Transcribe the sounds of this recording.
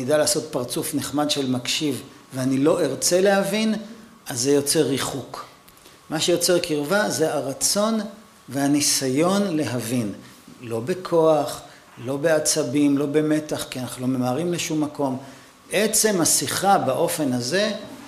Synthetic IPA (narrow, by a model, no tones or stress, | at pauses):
idalaːso̞t̪̚paʁt͡sufneχmadʃe̞lmakʃivveanilo̞ʔeʁt͡sele̞havin | azːejo̞t͡se̞ʁːiχuk | maʃejo̞t͡se̞ʁkiʁvaze̞aʁat͡so̞n | ve̞hanisajo̞nle̞ɦavin | lo̞be̞kʰo̞aχ | lo̞beat͡sabimlo̞be̞met̪aχkianaχnulo̞me̞maːʁimleʃumːako̞m | ʔet͡se̞masiχabaʔo̞fe̞naze̞